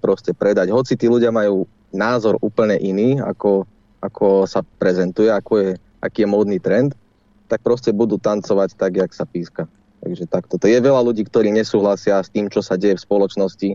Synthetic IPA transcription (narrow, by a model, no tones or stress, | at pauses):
pɾɔscɛpɾɛd̪aɟɦɔt͡sit̪iːluɟɪamajuː | naːzɔɾuːpl̩ɲɛʔiniːa̰kɔ | akʰɔsapɾɛzɛnt̪ujɛakɔjɛ | ʔa̰kiːjɛmɔːd̪niːt̪ɾɛnt̪ | t̪ak̚pɾɔscɛbud̪uːt̪ant͡sɔʋact̪aɡjaksapiːska | t̪a̰ɡʒɛt̪akt̪ɔt̪ɔjɛʋɛlaluɟiːkt̪ɔɾiːɲɛsuːɦlasɪast̪iːmt͡ʃɔsaɟɛjɛfspɔlɔt͡ʃnɔsci